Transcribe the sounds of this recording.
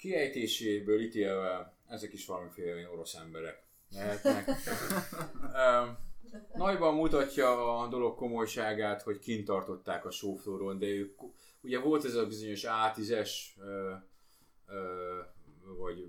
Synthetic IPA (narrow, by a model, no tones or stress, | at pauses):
kiɛjt̪eːʃeːbøːlit̪eːlvɛl | ɛzɛkiʃʋɒlɒmifeːlɛɛno̞ɾo̞sɛmbɛɾɛk | nɛɦɛt̪nɛk | ø | nɒɟbɒmːut̪ɒcːɒːd̪o̞lo̞kkːo̞mo̞jʃaːɡaːt̪ho̞ckint̪ɒrt̪o̞t̪ːaːkɒʃoːfloːɾond̪ɛøːk | uɟɛvo̞lt̪ɛzɒbizo̞ɲo̞ʃaːt̪izɛʃøː | ø | vɒɟ